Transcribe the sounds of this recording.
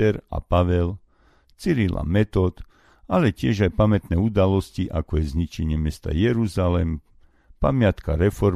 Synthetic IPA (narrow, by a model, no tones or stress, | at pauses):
ɛɾa̰paʋɛl | t͡siɾila̰mɛt̪ɔt̪ | alɛcɪɛʒajpamɛt̪nɛːud̪alɔsciʔakɔjɛzɲit͡ʃɛɲɪɛmɪɛst̪a̰jɛɾuzalɛm | pamɪat̪ka̰ɾɛfɔɾ